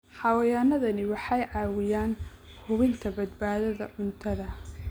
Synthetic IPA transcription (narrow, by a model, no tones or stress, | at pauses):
ħɑwɐjaːnɐðɐnɪwɑħɑjʕɑːwɪjaːn | hʊβɪnt̪ʰɐbɐd̪baːðɐðɐ̰ʕʊnt̪ʰɐðɐ